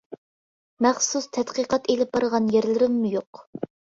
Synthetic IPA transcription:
mæχsust̪ʰɛt̪qəqɑt̪elɪp̚bɑɾəʁɑnjeɾlɪɾɪmːujoq

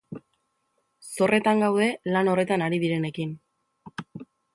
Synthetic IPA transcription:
so̞rʔe̞t̪aŋɡawðe̞lano̞re̞t̪anaɾiðiɾe̞ne̞kin

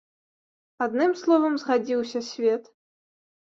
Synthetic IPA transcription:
ad̪nɨmslˠɔvɐmzɣad͡zʲiwsʲɐsʲvʲɛt̪

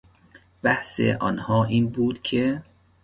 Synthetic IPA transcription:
b̥æhsḛʔɒnhɒːʔiːnbuːd̪̥cʰe

